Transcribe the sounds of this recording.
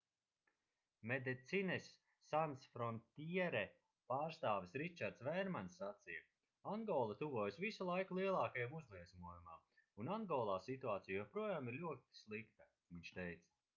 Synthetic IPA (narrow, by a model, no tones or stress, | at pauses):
med̪ɛt̪sinɛsː | ansfɾɔnt̪ʲiɛɾɛ | paːɾst̪aːvisɾit͡ʃaɾt̪svɛjɾmansːat̪sija | aŋɡɔːlˠat̪uvuɔjsvisulˠajkulˠiɛlˠaːkajamuzlˠiɛzmuɔjuma̰ː | unaŋɡɔːlˠaːsit̪uaːt̪sijjɛpɾuɔjaːmiɾlʲuɔt̪i̥slˠikt̪a | viɲʲʃt̪ejt̪s